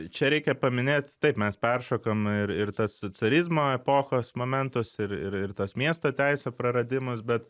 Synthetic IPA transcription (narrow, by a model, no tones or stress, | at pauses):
t͡ʃʲɛɾʲɛɪkʲɛpɐmʲɪnʲeːt̪t̪ɐɪpmʲɛspʲɛrʃoːkɐmɪɾɪɾt̪ɐssot͡sʲɛɾʲɪzmoːɛpoːxoːsmoːmʲɛnt̪ʊsɪɾɪɾɪɾt̪ɐsmʲiɛst̪oːt̪ʲæɪsʲoːpɾɐɾɐd̪ʲɪmɐsbʲɛt̪